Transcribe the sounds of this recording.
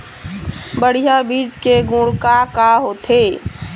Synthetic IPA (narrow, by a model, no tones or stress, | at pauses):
bəɽ̤ijabid͡ʒkeɡũɽkakaɦot̪ʰe